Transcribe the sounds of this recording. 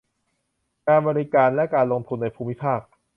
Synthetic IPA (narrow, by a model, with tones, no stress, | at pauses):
kaː˧nbɔː˧ɾi˦˥kaː˧nlɛ˦˥kaː˧nlo˧ŋt̪ʰu˧nːa˧jpʰuː˧˩mi˦˥pʰaː˥˩k̚